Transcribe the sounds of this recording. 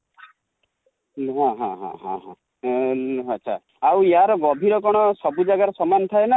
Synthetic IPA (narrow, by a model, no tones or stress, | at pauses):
ɦãɦã̰ɦã̰ɦã̰ɦã̰ | atːʃʰa̰ | awiaɾɔɡɔbʱiɾɔkɔɽ̃ɔsɔbud͡ʒaɡaɾɔsɔmanɔt̪ʰaena